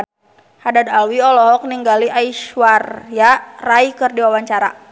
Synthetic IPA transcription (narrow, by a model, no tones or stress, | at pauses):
hadad̪alwiɔlɔɦɔk̚niŋɡaliʔaiʃwarjaraikɨrdiwawaɲt͡ʃaɾa̰